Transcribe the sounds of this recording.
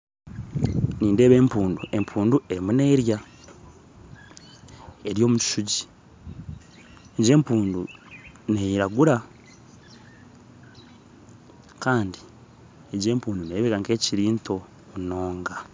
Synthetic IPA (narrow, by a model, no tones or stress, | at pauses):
niːnde̞ːβe̞ːmpuːndue̞mpʰuːnduʔe̞ɾimune̞ːɾja | eɾjo̞ːmuci̥ʃuɟi | eɟe̞ːmpuːndu | nejiɾaɡuɾa | kaːndi | eɟe̞ːmpuːnduneβekaŋke̞ːciɾiːntʰo̞ | muno̞ːŋɡa